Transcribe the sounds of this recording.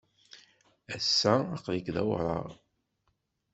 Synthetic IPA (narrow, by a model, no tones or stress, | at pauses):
æsːæːqlikðæ̰wɾˤɑ̰ɾˤ